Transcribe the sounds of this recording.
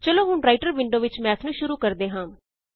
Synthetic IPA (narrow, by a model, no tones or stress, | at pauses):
t͡ʃəloːɦʊɳɾaːɪʈəɾʋɪɳɖoːʋɪt͡ʃmɛ̃ːt̪ʰnũːʃʊɾuːkəɾd̪eːɦãː